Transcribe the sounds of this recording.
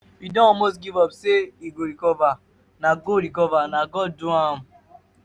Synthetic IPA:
idɔ̃mos̬ɡivɔpseiɡoɾikɔva | naɡoɾikɔvanaɡɔduam̩

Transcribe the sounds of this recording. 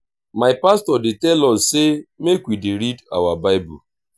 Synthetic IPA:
maɪpastɔdɪtɛlɔssemekwidɪɾida̰wabaɪbṵ

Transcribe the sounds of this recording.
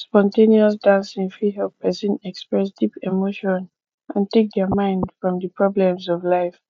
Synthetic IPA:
spɔ̃ntẽniɔsdãnsĩnfɹiɦɛl̚pʰɛsɛ̃nɛkspɹɛs̬dipemoʃɔ̃n | ʔãntek̚dɛmãɪ̃ndfɹɔ̃mdəpʰɹɔblɛ̃mzɔvlaɪf

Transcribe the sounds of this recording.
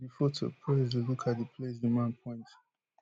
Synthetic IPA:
bifotʰo̰pʰɹɛzdəlukʰat̚dəpʰlesumãnpʰɔ̃ɪ̃nt

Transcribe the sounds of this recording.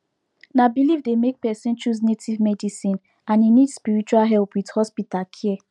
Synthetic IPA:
nabilivdemek̚pɛsĩnt͡ʃus̬netʰivmɛdisĩn | ãninidspiɹit͡ʃualɦɛlpwidhɔspitalkʰiɛ

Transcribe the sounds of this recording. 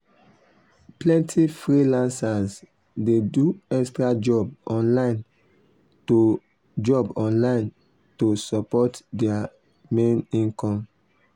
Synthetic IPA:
plɛ̃ntʰifɹilãnsaz | deduɛkstɹad͡ʒɔbɔ̃nlaɪ̃n | to | d͡ʒɔbɔ̃nlãɪ̃n | tosɔpɔtdɛa | mẽnĩnkɔ̃m

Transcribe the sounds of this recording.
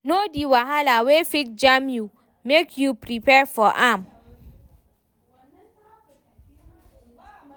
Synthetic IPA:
nodiwaɦalawefik̚d͡ʒamju | mekjupɹipɛfɔʔam

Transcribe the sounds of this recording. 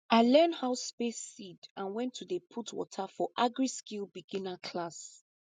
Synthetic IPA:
aɪlɛ̃ndhaʊspesidãnwɛ̃ntʰuðəpʰutʰwɔ̰tʰafɔʔaɡɹiskilbiɡĩnakʰlas

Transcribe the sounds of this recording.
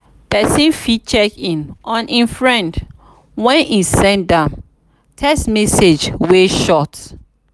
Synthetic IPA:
pɛsĩnfit͡ʃɛkĩnʔɔ̃nʔĩnfɹɛ̃nd | wɛ̃nisɛ̃ndãm | tʰɛsmɛsed͡ʒweʃɔt

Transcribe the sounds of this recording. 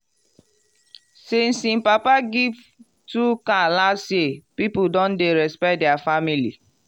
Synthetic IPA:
sen̩sĩmpapaɡiv | tukalasepipudɔ̃ndeɾɛspɛt̚deafamili

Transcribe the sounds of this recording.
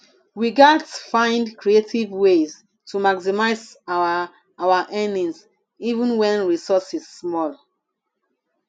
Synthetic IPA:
ɹiɡasfãɪ̃ndkɹietivwez | tʰumaksimaɪza | awaʔɛ̃nĩŋs | ivũnwɛ̃nɹisɔsiz̥ːmɔl

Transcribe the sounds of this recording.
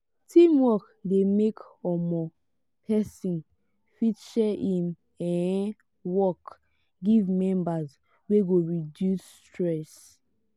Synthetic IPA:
tʰĩmwɔk | demekɔmɔ | pʰɛsĩn | fit͡ʃɛĩm | ɛ̃ | wɔk | ɡivmɛ̃mbaz | weɡoɹidjus | tɹɛs

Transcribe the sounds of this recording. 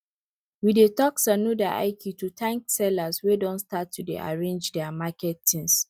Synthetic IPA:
widetɔksanudaʔa̰ɪkʰitutʰãŋksɛlaswedɔ̃nstatʰːudḛʔa̰ɹẽnd͡ʒdɛamakɛtːĩns

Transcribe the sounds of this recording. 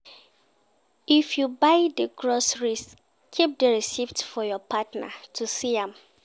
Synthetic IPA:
ifjubaɪdəɡɹɔsɹis | kʰːip̚dəɹisiftfɔjɔpʰatna̰tʰusiãm

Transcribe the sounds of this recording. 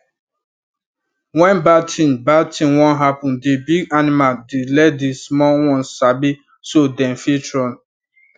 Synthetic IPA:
wɛ̃nbatʰĩnbatĩnwɔ̃nɦapɔ̃ndebiɡanimaldilɛdismɔwɔ̃nsabi | sodɛ̃nfitɹɔ̃n

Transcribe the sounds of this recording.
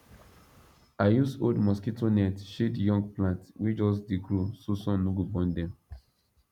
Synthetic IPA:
ajusodmɔskitʰonɛtʃedjɔ̃ŋɡplãntwid͡ʒɔs̬diɡɹososɔ̃nːuɡubɔ̃ndɛ̃m

